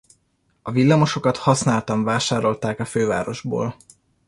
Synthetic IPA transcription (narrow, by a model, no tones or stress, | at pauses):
ɒvilːɒmo̞ʃo̞kɒt̪hɒsnaːlt̪ɒɱvaːʃaːɾo̞lt̪aːkɒføːva̰ːɾo̞ʒbo̰ːl